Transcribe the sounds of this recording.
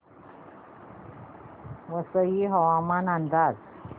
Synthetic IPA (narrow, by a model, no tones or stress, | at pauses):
ʋəsəjiɦəʋamanand̪ad͡z